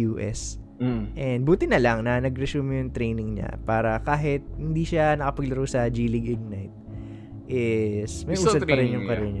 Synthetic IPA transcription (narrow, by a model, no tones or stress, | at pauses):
uːʔɛ̰s | ʔɛnd̪̚buːt̪ɪnɐlɐŋnɐnɐɡɾɛsuːmjʊŋt̪ɾɛjnɪŋɲa̰paːɾɐkaːɦɪt̪̚hɪnd̪iːʃanɐkɐpɐɡlɐɾowsɐd͡ʒiːlɪɡɪɡ̚najt̪̚ | ʔɪsmɐjusːsɐpɐɾɪnjʊŋpɐɾɪn